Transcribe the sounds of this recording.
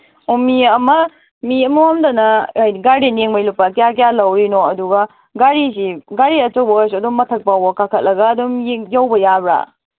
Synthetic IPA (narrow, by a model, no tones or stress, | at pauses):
umiɐmɐ | miɐmɐamdanɐjɡaɾdenjeŋmɐjlupːakɐjakijalɐwɾinoɐduɡɐ | ɡaɾisiɡaɾiɐt͡ʃɐwbɐɔs̬ɐdummɐtʰɐk̚pawbɐkakʰɐt̚lʔɐɡɐːdumjjawbɐjabɾa̰